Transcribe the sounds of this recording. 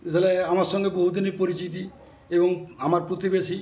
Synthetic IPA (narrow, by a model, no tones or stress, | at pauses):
et̪ʰaleamaɾʃɔŋɡeboɦud̪inipoɾit͡ɕit̪̬i | eboŋamaɾpɾot̪ibeʃi